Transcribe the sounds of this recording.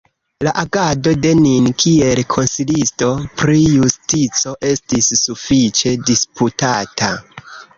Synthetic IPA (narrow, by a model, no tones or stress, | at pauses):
laʔaɡado̞de̞ninkʰie̞lkʰo̞nsilisto̞pɾijustit͡so̞ʔe̞stisːufit͡ʃe̞disputatʰa